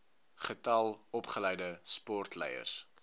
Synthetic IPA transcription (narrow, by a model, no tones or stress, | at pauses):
χətɐlˠɔpχəlɛjdəspɔrtlɛ̰jə̰rs